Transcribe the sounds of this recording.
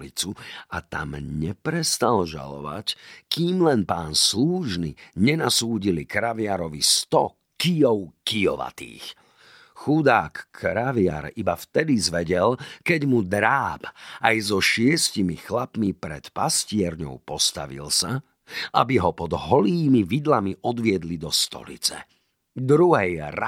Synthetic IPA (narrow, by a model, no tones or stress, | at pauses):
lit͡suat̪a̰mɲɛpɾɛst̪alʒa̰lɔ̰ʋa̰ckiːmlɛnpaːnsluːʒnḭɲɛnasuːɟilikɾaʋɪaɾɔʋist̪ɔ | kijɔʊkijɔ̰ʋa̰t̪ḭːx | xud̪aːkʰːɾaʋɪa̰ɾibaft̪ɛd̪izʋɛɟɛlkɛɟmud̪ɾaːbʔajzɔʃɪɛscimixlapmipɾɛt̪pascɪɛɾɲɔ̰ʊpɔst̪a̰ʋḭlsa | ʔabiɦɔpɔd̪ɦɔliːmiʋid̪lamiʔɔd̪ʋɪɛd̪lid̪ɔst̪ɔ̰lḭt͡sɛ̰ | d̪ɾuɦɛjɾa